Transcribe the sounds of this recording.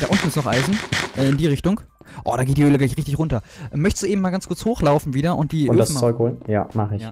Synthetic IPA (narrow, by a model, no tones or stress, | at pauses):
d̥aːʔʊntn̩ɪstnɔχʔa̰ɪzn̩ʔɛːɪndiːʁɪçtʊŋk | ʔɔ̰ːdaːɡeːtd̥iːøːləɡlaɪçʁɪçtɪçʁʊntɐʔɛmœçtəstd̥uːeːbm̩maːlɡanskʰʊɐt͡shoːxlaʊfn̩viːdɐʔʊ̰nt̚d̥iːʊnːdast͡sɔʏkhoːlnja̰ːmaχɪç